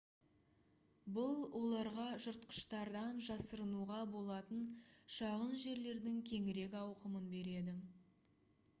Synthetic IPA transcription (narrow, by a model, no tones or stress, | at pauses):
bʊlˠwʔo̞lˠɑɾʁɑʒʊɾt̪qə̥ʃt̪ɑɾd̪ɑnʒɑsəɾənuʁɑbo̞lˠɑt̪ənʃɑʁənʒe̞ɾle̞ɾd̪ɪŋkʲʰe̞ŋɪɾe̞kʲɑwqəmənbe̞ɾe̞d̪ɪ